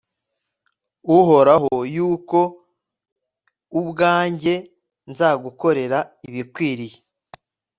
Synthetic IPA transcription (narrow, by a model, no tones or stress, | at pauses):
uɦo̞ɾaɦojuːko̞ | ubɡaːɲɟe̞ | nzaːɡuko̞ɾe̞ɾaiβikwiːɾije